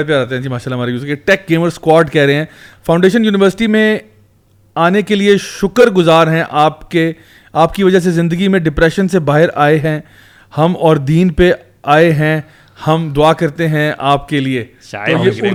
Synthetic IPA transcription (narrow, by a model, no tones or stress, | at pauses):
ep̬jaɾɛːt̪eɦɛ̃d͡ʒiːmaːʃaːlːaɦmaːɾejuːskeʈɛːk̚ɡeːməɾskwaːɾʈkɛɦɾɐɦeɦɛ̃ːfãʊ̃ɳɖeːʃ̬ənjuːnɪʋəɾsɪ̥ʈimẽ | aːnekelieʃʊkəɾɡʊzaːɾɦɛ̃ʔaːpke | aːpkiʋɐd͡ʒəs̬ezɪ̃nd̪əɡimẽɖɪpɾɛːʃənsebaːɦɪɾʔaːeɦɛ̃ | hɐmɔːɾd̪iːnpe | aːeɦɛ̃ | hɐmd̪ʊaːkɐɾt̪eɦɛ̃ʔaːp̚kelie | oje